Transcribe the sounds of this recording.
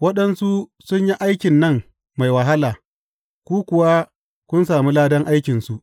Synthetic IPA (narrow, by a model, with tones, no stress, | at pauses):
wɐ˦ɗɐ˦nsu˦sʊ˦ɲji˦ʔa˦jkʲɪ˨nːɐ˦ŋ | ma˨jwɐ˨ɦa˦laː˨ | kʷuː˦kʷʊ˨wa˦ | kʷʊ˦nsaː˨mi˦laː˦dɐ˦ŋʔa˦jkʲɪ˨nsu˦ʔ